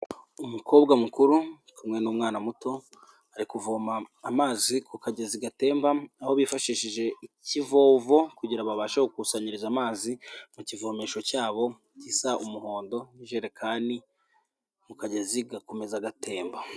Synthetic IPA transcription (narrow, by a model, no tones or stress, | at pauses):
umukʰo̞ːbɡamukuɾu | kumŋe̞nuːmŋaːnamuto̞ | aɾikuvoːmaːmaːzikukaɟeziɡate̞ːmbaaho̞βifaʃiʃiʒe̞icivo̞ːvo̞kuɟiɾaβaβaːʃahokusaɲiɾizamaːzimucivo̞ːmeʃo̞caːβo̞ | cisaʔumuho̞ːndo̞niʒeɾekʰaːndi | mukaɟeziɡakome̞zaɡatʰe̞ːmba